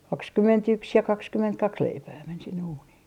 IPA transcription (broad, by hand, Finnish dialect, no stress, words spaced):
kɑkskymːentyks jɑ kɑkskymːentkɑks leipæː men sinːe uːniː